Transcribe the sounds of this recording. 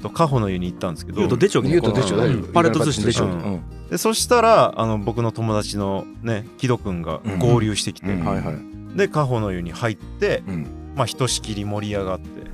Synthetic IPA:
t̪o̞kaɦo̞no̞jɯ̟ɲ̟iːt̪ːãnd̪esɨ̥ked̪ot̪od̪et͡ɕooeopaɾeosɨːeɯõ̰ | d̪e̞so̞ɕi̥t̪aɾa̰ːno̞bo̞kɯ̟no̞t̪o̞mo̞d̪at͡ɕino̞ | ne̞kʲid̪o̞kɯ̟̃ŋɡa̰ɡoːɾʲɨ̟ːɕi̥t̪e̞kʲi̥t̪e̞ajhaj | d̪e̞kaɦo̞no̞jɯ̟ːɲ̟ihait̪ːe̞ | maçi̥t̪o̞ɕi̥kʲiɾʲimo̞ɾʲiaɡat̪ːe̞̰

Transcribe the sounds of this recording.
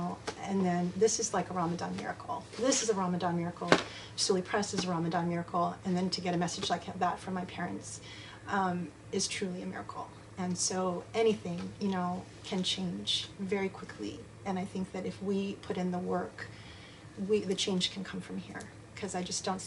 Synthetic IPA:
ɨ̃nðɨ̃nðɪsɨzlaɪkəɹɑmɨdɑ̰̃nmɪ̰ɹɨ̰kʰl̩ˠðɪsɨzəɹɑmɨdɑ̃nmɪɹɨkl̩ˠ | soʊlˠipʰɹ̥ɛsɨzəɹɑmɨdɑ̃nmɪɹɨkʰl̩ˠɨ̃nðɨ̃ntʰɨɡɛɾɨmɛsɨd͡ʒlaɪkðətfə˞maɪpʰɛɹɨ̰̃nts | ʌ̃m | ɨz̥tʰɹ̥ʉlˠiɨmɪ̰ɹɨ̰kʰl̩ˠ | ɨ̃nsoʊʔɛñiθɪ̃ŋjɨnoʊ | kʰɨ̃nt͡ʃʰẽɪ̃nd͡ʒvɛɹikʰw̥ɪkʰlḭ | ɨ̃naɪθɪ̃ŋk̚ðɨɾɨfwipʰʊɾɨ̃nðəwɜ˞k | wiðɨt͡ʃʰẽɪ̃nʒ̥kʰn̩kʰʌ̃ɱfɹʌ̃mhiɹ | kʰʌzaɪd͡ʒʌsd̥õʊ̃n

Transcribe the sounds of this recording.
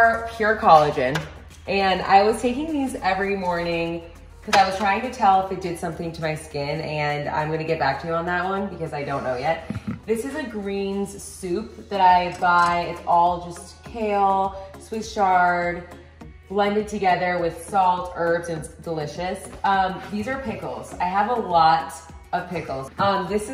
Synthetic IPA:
pʰj̥ʊɹkʰɑlˠɨd͡ʒɪ̃n | ʔɨ̃na̰ɪwʌz̥tʰeɪkɪ̃ŋnʉzɛvɹimɔɹnɪ̃ŋ | kʰʌzaɪwʌz̥tʰɹ̥aɪɪ̃ŋtɨtʰɛlˠfðeɪdɨd̥sʌ̃mθɪ̃ŋtʰɨmaɪskɪ̃nɨ̃nã̰ɪ̃mɡʌnɨɡɛt̚b̥æk̚tʰɨjə̃nðət̚wʌ̃nbɨkʌzaɪdõʊ̃nːoʊjɛt̪̚ðɪsɨzɨɡɹĩnz̥sʉp̚ðɨɾaɪbaɪɨtsɔlˠd͡ʒʌstkʰeɪlˠswɪtʃɑɹd̚ | b̥lɛ̃ndɨd̚tʰɨɡɛðə˞wɪð̥sɔlˠtʰɜ˞ftɨ̃ndəlɪʃɨsʌ̃mðizə˞pʰɪkl̩ˠz̥a̰ɪəvəlɔɾ | ʌv̥pʰɪkl̩ˠz̥ʔʌ̃mðɪsɨ

